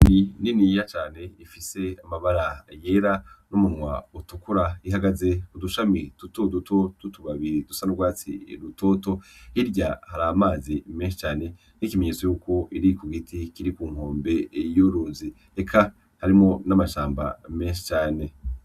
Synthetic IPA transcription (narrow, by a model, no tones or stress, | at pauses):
nininijat͡ʃaːne̞ifise̞amaβaɾaje̞ːɾanumunŋwa̰utukuɾaiɦaɡaze̞kuduʃamitutodutʰotutuβaβiɾid̥usanuɡwaːt͡sḭɾuto̞ːto̞hiɾɟahaɾaːmaːzimenʃi̥t͡ʃaːne̞ | nikime̞ɲeːt͡so̞juːko̞ʔiɾikuɡitʰikiɾikuːŋ̥oːmbe̞juɾuːnzi | ekʰa | haɾimŋo̞namaʃaːmba̰me̞ːnʃi̥t͡ʃaːne̞